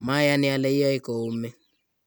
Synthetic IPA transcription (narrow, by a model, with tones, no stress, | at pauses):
ma˦ja˦ni˨a˨lɛ˦i˦ja˦i˦kɔ˨u˦mɛ˦